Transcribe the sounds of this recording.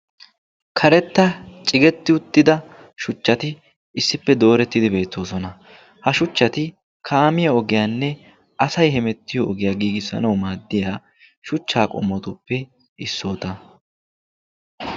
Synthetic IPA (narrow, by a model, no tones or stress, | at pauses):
kʰɐɾɛt̪ːɐt͡ʃʼɪɡɛt̪ːɪʊt̪ːɪd̪ɐ | ʃʊt͡ʃːɐt̪ɪ | ɪsːɪpːɛd̪o̞ːɾɛt̪ːɪd̪ɪbe̞ːt̪ʰːo̞ːsɔnɐ | hɐʃʊt͡ʃːɐt̪ɪ | kʰaːmɪjɐɔɡɪjaːnːɛ | ɐsɐjɦɛmɛt̪ːɪjɔɔɡɪjaːɡiːɡɪsɐ̰nɐwmaːd̪ːɪjaː | ʃʊt͡ʃːaːkʼɔ̰mːɔt̪ʊpːɛ | ʔɪsːo̞ːt̪ɐ